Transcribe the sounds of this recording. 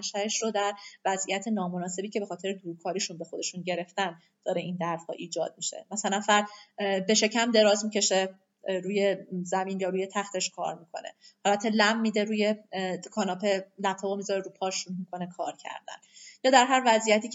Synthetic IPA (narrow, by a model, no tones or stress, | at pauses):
ʃæeʃrod̪æɾvæzʔijæt̪ʰe̞nɒːmonɒːse̞biːcʰe̞be̞xɒːt̪ʰe̞ɾed̪uːɾukʰɒːɾiːʃunbexo̞d̪e̞ʃunɟe̞ɾe̞ft̪æn | d̪̥ɒːɾe̞ʔind̪æɾthɒ̰ːʔiːd͡ʒɒ̰ːd̪̥̚miʃe̞̰mæsælænfæɾd̪be̞ʃe̞cʰæmd̪e̞ɾɒːzmice̞ʃe | ɾuːje̞zæmiːnjɒːɾuːje̞t̪ʰæxt̪ʰe̞ʃkʰɒ̰ːɾmikʰo̞̰nḛhælbæt̪ʰːe̞læmːiːd̪eɾuːje̞kʰɒːnɒːpʰe̞læb̥̚t̪ʰɒːbomizɒɾeɾuːpʰɒːʃunmikʰo̞ne̞kʰɒ̰ːɾcʰæ̰ɾd̪æ̰njɒːd̪æɾɦæɾvæzʔijæt̪ʰiːc